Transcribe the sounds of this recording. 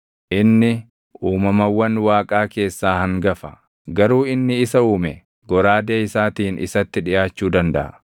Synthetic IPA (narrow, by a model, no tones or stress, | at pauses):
ʔɪnːɪ | uːmɐmɐwːɐnwaːkʼaːke̞ːsːaːhɐŋɡɐfɐ | ɡɐɾuːɪnːɪɪsɐuːmɛ | ɡɔɾaːd̪eːɪsaːt̪iːnʔɪ̰sɐt̪ːɪᶑɪʔaːt͡ʃːuːd̪ɐnd̪ɐ̰ʔɐ̰